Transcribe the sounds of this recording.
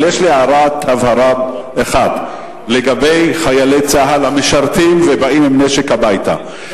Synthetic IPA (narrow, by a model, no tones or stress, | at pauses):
jeʃliaɾat̪havhaɾad | eχad | le̞ɡabe̞jχajalejt͡saɦalhameʃaʁtimvebaimimneʃekhabajta̰